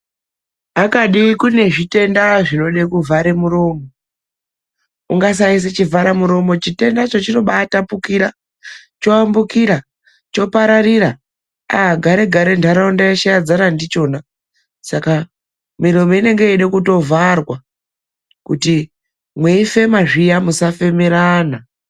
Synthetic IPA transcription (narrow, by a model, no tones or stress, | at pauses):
akaɗikune̞ʐite̞ndaʐino̞ɗekuvʱaɾemuɾo̞ːmo | uŋɡas̬ais̬et͡ʃivʱaɾamuɾo̞mo̞t͡ʃite̞ndat͡ʃot͡ʃino̞ɓatapukiɾa | t͡ʃo̞ambukiɾa | t͡ʃo̞paɾariɾa | aɦaɡʱaɾe̞ɡʱaɾe̞ndʰʱaɾaundajaʃaad͡zaɾandit͡ʃo̞ːna | saka | miɾo̞moine̞ŋɡe̞eɗekuto̞varwa | kuti | mweife̞maʐijamusafe̞meɾana